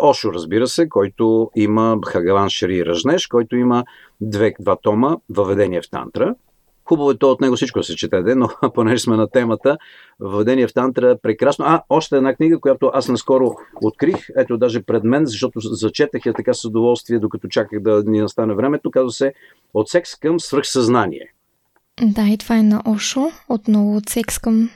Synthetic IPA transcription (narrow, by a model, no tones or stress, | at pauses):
ɔʃoɾəzbiɾəsɛkɔjt̪oiməxɐɡɐvanʃɾiɾɐʒnɛʃkɔjt̪oimə | d̪vɛd̪vat̪ɔməvɐvɛd̪ɛniɛft̪a̰nt̪ɾə | xubəvoɛt̪ɔot̪nɛɡosit͡ʃkoʊd̪ɐsɛt͡ʃɛt̪ɛd̪ɛnoponɛʒɛsmɛnɐt̪ɛmət̪ə | vɐvɛd̪ɛniɛft̪ant̪ɾəɛpɾɛkɾasnoaɔʃt̪ɛːd̪nakniɡəkojat̪oʔasnɐskɔɾoot̪̚kɾixɛt̪od̪aʒɛpɾɛd̪mɛnzɐʃt̪ɔt̪ozɐt͡ʃɛt̪əxjɐt̪ɐkasəd̪ovɔlˠst̪viɛd̪okɐt̪ɔt͡ʃakəxd̪ɐninɐst̪anɛvɾɛmɛt̪okazvəsɛ | ot̪sɛkskəmsvəɾxsɐznanḭɛ̰ | d̪ait̪ovaɛnɐʔɔʃoot̪nɔvʊot̪sɛkskɐm